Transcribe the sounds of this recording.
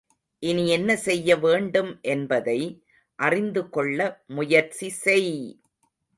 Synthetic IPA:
ʔɪniɛnːɐsɛjːɐʋeːɳɖɯmʔɛnbɐðɐɪ | ʔɐrɪnd̪ɯkɔɭːɐmʊjɐɾt͡ʃisɛɪ

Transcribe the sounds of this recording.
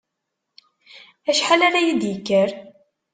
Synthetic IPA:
æʃħalaɾajid̪jəkːəɾ

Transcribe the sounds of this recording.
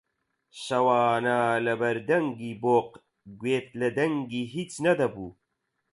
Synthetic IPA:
ʃɐwɑːnalɐbɐɾd̪ɐŋɡiːboːq | ɡweːt̪̚lɐd̪ɐŋɡiːɦit͡snɐd̪ɐbuː

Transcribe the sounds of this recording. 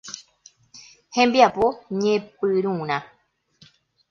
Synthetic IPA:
hẽmbiapoɲẽpɨɾũɾ̃ã

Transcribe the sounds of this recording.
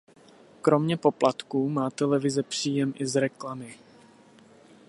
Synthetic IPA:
kɾo̞mɲɛpo̞plat̪kuːmaːt̪ɛlɛvɪzɛpr̝̥iːjɛmʔɪzɾɛklamɪ

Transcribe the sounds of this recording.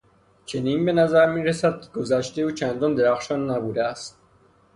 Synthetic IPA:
t͡ʃʰeniːnbenæzæɾmiːɾesæd̪̚ɡ̥ozæʃt̪eut͡ʃʰænd̪ɔnd̪eɾæxʃɔnːæbuːd̪ææst̪̚

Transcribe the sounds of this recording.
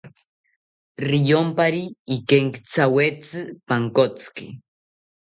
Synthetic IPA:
rijompaɾiːkeŋkt͡sawet͡sɨpaŋkot͡skḭ

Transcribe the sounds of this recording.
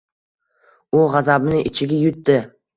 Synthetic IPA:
ʊʁazabnɪʔɪt͡ʃʰɪɡʲɪjʊt̪ːɪ

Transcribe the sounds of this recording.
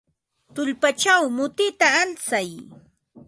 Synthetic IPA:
t̪ʊʎpat͡ʃawmʊt̪ɪt̪aːlt͡saj

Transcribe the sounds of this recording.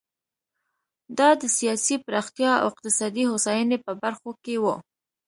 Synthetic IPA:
d̪ɑd̪əsijɑsipɾɑxt̪jɑa̰wɪq̚t̪ɪsɑd̪ihosɑjənepəbaɾxokewu

